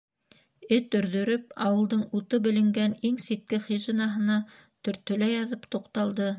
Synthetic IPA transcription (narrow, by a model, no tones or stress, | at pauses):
ɘt̪ɵ̆ɾðɵ̆ɾɵp̚ɑwɤ̆lˠd̪ɤɴut̪ɤbɘ̆lɘ̆ŋɡæniŋsit̪̚kɘχiʒenɑɦɤ̆nɑ | t̪ɵ̆ɾt̪ɵ̆læjɑðɤpt̪uqt̪ɑlˠd̪ɤ